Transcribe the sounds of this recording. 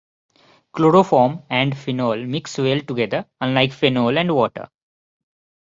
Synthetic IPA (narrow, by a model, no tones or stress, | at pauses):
kloːɾofɔːmɛ̃ɳɖfɪnoːlmɪksʋelʈʊɡed̪əɾə̃nlaɪkfenoːlɛ̃ɳɖʋɔːʈə̰ɾ